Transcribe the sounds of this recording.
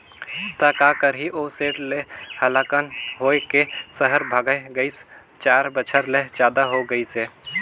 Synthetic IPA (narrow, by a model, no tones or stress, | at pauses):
t̪akaːkəɾɦiʔoːseːʈlehəlaːkənɦoːekesəɦəɾbʱaːɡəeɡəis | t͡ʃaːɾbət͡ʃʰəɾled͡ʒaːd̪aɦoɡəiseː